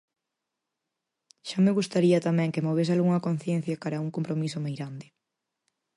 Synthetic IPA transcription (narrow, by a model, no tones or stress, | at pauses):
ʃameɣust̪aɾiɐt̪amɛ̃ŋkemoβ̞es̬alɣuŋɐkon̟θjẽn̟θjɐkaɾɐuŋkompɾomisomajɣɾand̪ɪ